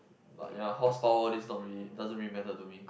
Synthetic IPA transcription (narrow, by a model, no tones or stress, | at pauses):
ba̰ʔjahɔspaʊədɛsnɔ̃tbidazə̃nɹimɛ̃ntətumĩk